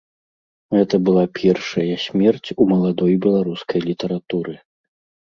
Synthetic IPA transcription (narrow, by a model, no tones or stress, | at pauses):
ɣɛt̪ɐbɨlˠapʲʰɛrʂɐjɐsʲmʲɛrt͡sʲumɐlˠad̪ɔjbʲɛlˠaɾuskɐjlʲit̪ɐɾat̪uɾɨ